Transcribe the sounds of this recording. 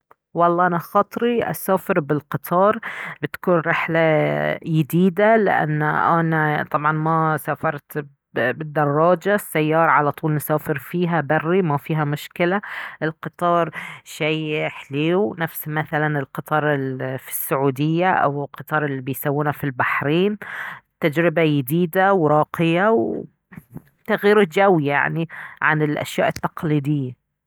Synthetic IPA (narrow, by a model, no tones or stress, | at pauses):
wɑlˤːɑːʔanaxɑːt̪ˤɾiʔa̰saːfɪɾbɪlqɨt̪ˤʰɑːɾˤbɪt̪kuːnɾɪħlajɪd̪iːd̪alɪ̰ʔa̰nːʔanat̪ˤɑbʕɑnmasaːfɑɾˤt̪ | bɪd̪ːɑrˤːɑːd͡ʒasːajːɑːɾˤɑʕalat̪ˤuːlnɪsaːfɪɾfiːɦabarːimafiːɦamʊʃkɪlaʔɪlqɨt̪ˤɑːɾˤʃajħliːwnafsmaθalanɪlqɨt̪ˤɑːɾˤɪlfi̥sːʊʕuːd̪ɪjːaʔa̰wɪlqɨt̪ˤɑːɾˤɪlːibɪjsawːuːnafilbaħɾiːnt̪ːad͡ʒɾɪbajɪd̪iːd̪awɾˤɑːqɪjaw | t̪aɣjiːɾɪd͡ʒawija̰ʕniʕa̰nɪlʔa̰ʃjaːʔɪt̪ːɑqliːd̪ɪjːa